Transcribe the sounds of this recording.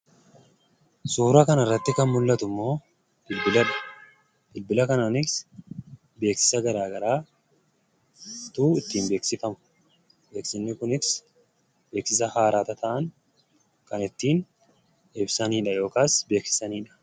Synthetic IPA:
suːɾɐkɐnɐrːɐt̪ːɪkɐnmʊlːɐt̪ʊmːo̞ː | b̥ɪlbɪlɐᶑɐ̥ | b̥ɪlbɪlɐkɐnaːnɪs | be̞ːksɪ̥sɐɡɐɾaːɡɐɾaː | t̪uːɪt̪ːiːnbe̞ːksɪfɐmʊ̥ | be̞ːksɪnːɪkʊnɪs | be̞ːksɪs̬ɐhaːɾaːt̪ɐt̪ɐʔɐn | kɐnɪt̪ːiːn | ɛbsɐniːᶑɐjo̞ːkaːsbeːksɪ̥sɐniːᶑɐ̥

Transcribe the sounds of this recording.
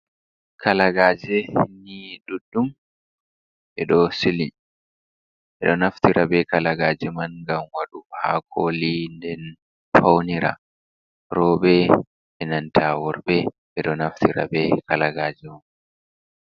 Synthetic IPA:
kʰalaɡaːd͡ʒɛhinːiɗuɗːum | ʔɛɗɔsili | ʔɛɗɔnaft̪iɾʔabɛkalaɡaːd͡ʒɛmanɡamwaɗuha̰kʰɔlindɛn | fawniɾa̰ | ɾɔɓɛ | ɛnantʰawɔɾbɛ | ʔɛɗɔnaft̪ʰiɾa̰bɛkalaɡaːd͡ʒɛman

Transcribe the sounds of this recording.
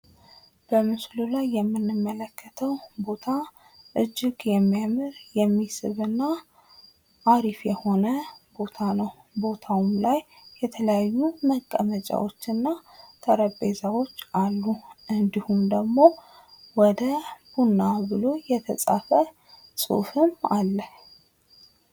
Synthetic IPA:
b̥əmɨslulajːɛmːɨnːɨmːələkːət̪ʰəwbo̞t̪ʰa | ʔɨd͡ʒːɪɡjɛmːijamɨɾjɛmːisɨ̰βɨnːa | ʔːɾifjɛho̞nəbo̞t̪ʰanəw | bo̞t̪ʰawmlajː | ɛt̪ʰələjajːuməkʼːə̰mət͡ʃʼa̰wo̞̰t͡ʃːɨnːat̪ʰəɾəbezawo̞t͡ʃːʔalːuʔɨnd̪ihumd̪əɡmo̞ | wɔd̪əb̥unːabɨlo̞jɛt̪ʰəsʼa̰fə | sʼṵfɨmalːəh

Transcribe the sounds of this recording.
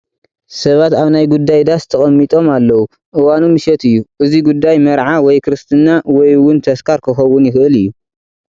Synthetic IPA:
sɐβat̪aβnajɡud̪ːajd̪ast̪ʰɐχʼɐmːit̪ʼo̞malːɐwu | ʔɨwanumɨʃɛt̪ɨjːuʔɨziɡud̪ːajmɐɾʕawɔjkʰɨɾɨst̪ʰɨnawɔjwʊnt̪ʰɐskʰaɾkʰɨxɐwːʊnjɪxɨʔɨlɨjːu

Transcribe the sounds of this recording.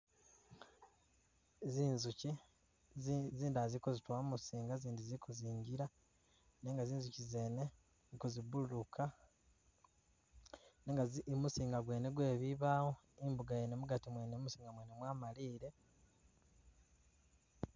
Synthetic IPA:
ziːnzuci | ziːndazikozitwamusiːŋɡaziːndizikuziːɲɟiɾa | neːŋɡaziːnzucize̞ːne̞ | zkozibulukʰa | neːŋɡamusiːŋɡaɡwe̞ːne̞ɡwe̞ːβiβaːɣo | imbuɡajenemuɡatimweːnemusiːŋɡamwe̞ne̞mwaːmaliːɾe̞

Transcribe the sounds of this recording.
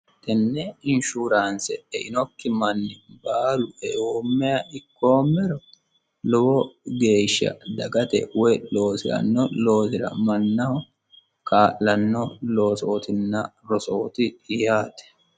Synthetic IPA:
t̪ɛnːɛɪnʃuɾaːnsɛ̰ɛʔɪnɔkːɪmɐnːɪbaːlʊɛʔoːmːɛjɐɪkːo̞ːmːɛɾɔ | lɔbɔɡe̞ːʃːɐ̰d̪ɐɡɐt̪ɛ̰wɔjlo̞ːsɪɾɐ̰nːɔlo̞ːsɪɾɐ̰mɐnːɐhɔ | kaːʔːɐnːɔlo̞ːsoːt̪ɪnːɐɾɔsoːt̪ɪjaːt̪ɛ̥

